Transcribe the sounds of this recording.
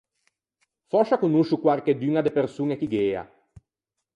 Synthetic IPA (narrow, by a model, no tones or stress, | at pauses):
fɔʃakonuʃukwarked̪yŋad̪epersuːŋekiɡɛːa̰